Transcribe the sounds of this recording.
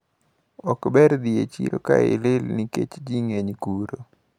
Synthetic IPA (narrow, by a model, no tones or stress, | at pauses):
ɔkbɛɾd̪iet͡ʃiɾo̰kaɪlɪlniket͡ʃd͡ʒiŋeɲkuɾo